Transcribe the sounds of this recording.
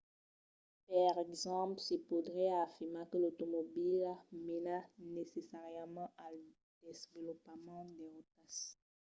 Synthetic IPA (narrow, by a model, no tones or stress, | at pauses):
paʁɛɡzɑ̃plsipud̪ʁɛafiʁmakəlot̪omobilamenanesesaʁjmɑ̃ʔal | d̪̥ezvəlɔpmɑ̃d̪ɛʁot̪as